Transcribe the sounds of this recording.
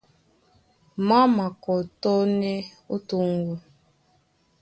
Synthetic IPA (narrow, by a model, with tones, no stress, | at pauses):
ma˦ma˨kɔ˨tɔ˦ne˦ | u˦tu˦ŋ̩˦ɡu˦